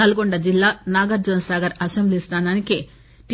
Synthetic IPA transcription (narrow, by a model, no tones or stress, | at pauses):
ɐluɡoɳɖɐd͡ʒilːaːnaːɡɐɾd͡ʒɐnɐsaːɡɐɾɐsemblist̪aːnaːniki | ʈ